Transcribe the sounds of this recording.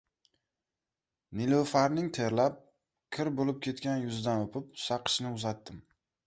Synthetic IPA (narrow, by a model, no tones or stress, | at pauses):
nɪlofaɾnɪŋt̪ʰe̞ɾlap̚ | kʲʰɪɾbolɪp̚kʲe̞t̪kʲanjʊzd̪anopʰɪp̚sɑqʰɨ̥ʃnɪʊzat̪ːɪm